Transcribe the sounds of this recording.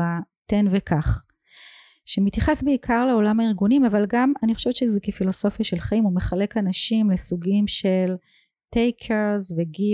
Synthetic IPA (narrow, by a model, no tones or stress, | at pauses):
a | tenvekʰaχ | ʃemit̪jaχe̞sbeikʰaʁle̞o̞lamaiʁɡunimavalɡamanixχo̞ʃevet͡ʃezekefilo̞so̞fjaʃe̞lχaimume̞χale̞kanaʃimlesuɡimʃel | tejkʰeʁzveɡi